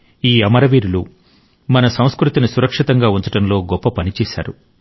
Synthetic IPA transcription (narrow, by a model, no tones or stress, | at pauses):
iːɐmɐɾɐʋiːɾulu | mɐnɐsɐ̃w̃skɾut̪inisuɾɐkʂit̪ɐŋɡaːunt͡ʃ̪ɐʈɐnlo̞ːɡɔpːɐpɐnit͡ʃɛːsa̰ːɾu